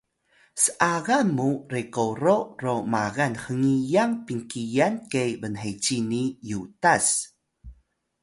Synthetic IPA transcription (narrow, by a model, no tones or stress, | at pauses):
səʔaɣamːuɾekoɾoromaɣanxəŋijaŋpiŋkijankejbənɦet͡ʃinijutas